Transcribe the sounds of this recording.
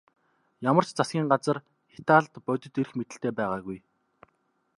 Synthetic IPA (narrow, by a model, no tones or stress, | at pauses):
jamə̆r̥t͡ɕt͡sasɡʲiːŋɢat͡sə̆r | it̪aːɮt̪pœt̪ʲɵ̆t̪erɘ̆xmet̪ɘ̆ɬt̪eːpæːʁaːɣuj